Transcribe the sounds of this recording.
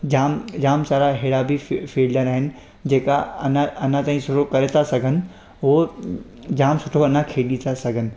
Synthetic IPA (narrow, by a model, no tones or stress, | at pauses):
d͡ʑaːmd͡ʑaːmsaːɾaɦeːɽabʱifiːlɖəɾaːɦɪnɪ̆ | d͡ʑeːkaɐnɐnãt̪aːĩsʊɾokɐɾet̪ʰasɐɡʱənɪ̆ | ɦo | d͡ʑaːmsʊʈʰoɐnãkʰeːɗit̪ʰasɐɡʱənɪ̆